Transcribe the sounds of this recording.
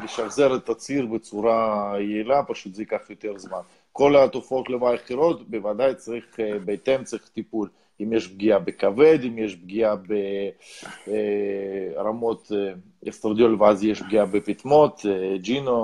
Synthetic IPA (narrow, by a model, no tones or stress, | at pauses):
liʃaχzeɾet̪at͡siɾbet͡suɾajeilapaʃut̪zeikaχjot̪eɾzman | ko̞lat̪ofaot̪lemaaχiɾo̞t̪bevad̪ajt͡saʁiχbet̪emt͡saʁiχt̪ipul | imjeʃbɡiabekaved̪imjeʃbɡiabe | ɾamo̞t̪ | est̪ɾad̪jolveazjeʃbɡiabepit̪mot̪d͡ʒino